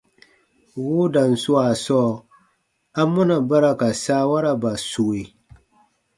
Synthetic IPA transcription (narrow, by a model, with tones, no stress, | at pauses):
wu˦da˨nsu˦wa˨sɔ˦ | a˦mːu˦na˨ba˦ɾa˨ka˨sa˦wa˦ɾa˨ba˨su˨we˨